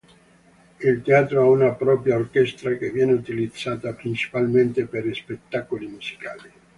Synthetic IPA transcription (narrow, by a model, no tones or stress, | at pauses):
ilt̪eaːt̪ɾoaunapɾɔːpɾjaorkɛst̪ɾakevːjɛːneut̪ilid̪zːaːt̪apɾint͡ʃi̥palment̪eperispet̪ːakolimuz̥i̥kaːli